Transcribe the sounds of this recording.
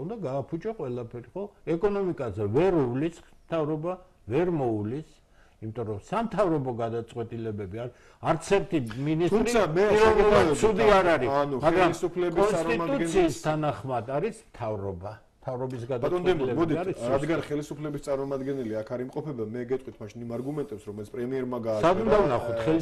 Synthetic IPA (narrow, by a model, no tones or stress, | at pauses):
und̪aɡaːpʰut͡ʃʼɔqʼwɛlapʰɛɾiχɔɛkʼɔnɔmikʼazɛvɛɾulismt̪ʰavɾɔba | vɛɾmɔulis | imit̪ʼɔɾɔsamt̪ʰavɾɔbɔɡad̪at̪sʼqʼwɛt̪ʼilɛbɛbiaɾi | aɾt̪sʰɛɾt̪ʰiminist̪ʰɾisamɛiɛuasʰud̪iaɾaɾianumaɡɾamlisupʰlɛkbiɔnstaɾʼiad̪ʼut̪ɡɛssʰiːst̪ʰanaχmad̪aɾismt̪ʰavɾɔba | mt̪ʰavɾɔbisɡad̪st̪ʼɛilɛbɔd̪iaɾisad̪ɡanχɛlisupʰlɛbist̪sʼaɾmɔmad̪ɡɛnɛliakʰaɾimqʼɔpʰɛbamɛɡɛt̪ʼwit̪ʰmaʃinimaɾɡumɛnt̪ʼɛpsɾɔmɛlt̪sʰpʼɾɛmiɛɾmaɡaːsaund̪avnaχɔt̪ʰχɛli